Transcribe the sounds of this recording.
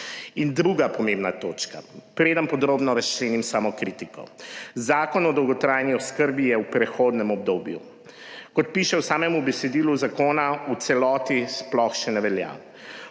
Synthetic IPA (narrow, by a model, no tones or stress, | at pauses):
ind̪ɾuɡapɔmẽmbnat̪oːt͡ʃka̰pɾeːd̪ənpɔd̪ɾoːbnɔɾast͡ʃleːnimsamɔkɾit̪ikɔ̰zaːkɔnɔd̪ɔwɡɔt̪ɾaːjniɔskəɾbijɛwpɾɛxoːd̪nɛmɔb̚d̪oːbjṵ | kɔt̪̚piːʃɛwsaːmɛmubɛsɛd̪iːluzakoːnaut̪sɛlɔːt̪isplɔxʃɛnɛʋɛlja̰